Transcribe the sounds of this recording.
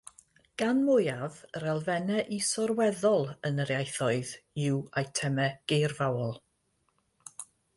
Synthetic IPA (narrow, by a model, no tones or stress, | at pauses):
ɡ̥anmʊjavɾɛlˠvɛnɛʔisɔrwɛðɔlˠənəɾjajθɔɨðɪwajtʰɛmɛɡ̥ejrvawɔlˠ